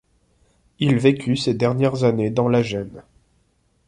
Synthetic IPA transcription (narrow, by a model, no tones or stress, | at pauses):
ilvekʲʰysed̪ɛʁnjɛʁzaned̪ɑ̃laʒɛn